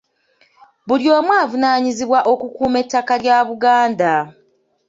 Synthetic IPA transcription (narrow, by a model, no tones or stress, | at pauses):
βuljo̞ːmwaːvunaːɲiziβwaʔo̞kukuːme̞tːakaljaːβuɡaːnda